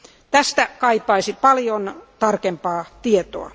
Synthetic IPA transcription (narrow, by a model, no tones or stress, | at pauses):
t̪æst̪ækɑipˑɑisipɑljont̪ɑrkempɑːt̪iet̪o̰ɑ̰